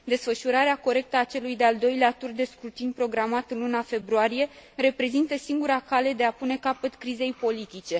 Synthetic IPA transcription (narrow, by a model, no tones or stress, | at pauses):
d̪e̞sfəʃuɾaɾeako̞ɾe̞k̚t̪əat͡ʃe̞lujd̪e̞ald̪o̞jleat̪urd̪e̞skɾut̪inpɾo̞ɡɾamat̪ɨnlunafe̞bɾuaɾije̞ɾe̞pɾe̞zint̪əsiŋɡuɾakale̞d̪e̞apune̞kapət̪kɾize̞jpo̞lit̪it͡ʃe̞